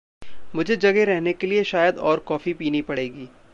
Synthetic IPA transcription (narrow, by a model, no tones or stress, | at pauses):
mʊd͡ʒʱed͡ʒɐɡeɾɛɦnekelieʃaːjəd̪ɔːɾkɔːfipiːnipɐɽeːɡiː